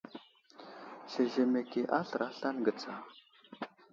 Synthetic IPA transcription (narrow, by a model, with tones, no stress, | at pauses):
ɬə˨ʒe˨me˨ke˨ʔa˦ɬɾʔa˦ɬa˦nɡə˨t͡sʰa˨